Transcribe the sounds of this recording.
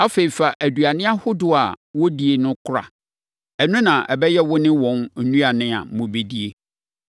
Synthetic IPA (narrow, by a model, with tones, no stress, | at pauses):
a˦fe˨i˨fa˨ʔæ˨du˨a˨nɪ̃˦a˦hʊ˦dʊ˦a̰˨wɔ˦di˨e˨nʊ̃˦kʰʊ˦ɾa̰˨ | ɛ˨nʊ̃˦nã˨ʔɛ̰˨bɛ˦jɛ˦wʊ˦nɪ̃˦wɔ̃˨nn̩˨nũ˦a˨nɪ̃˦a̰˨mʊ̃˨be˨di˦e˦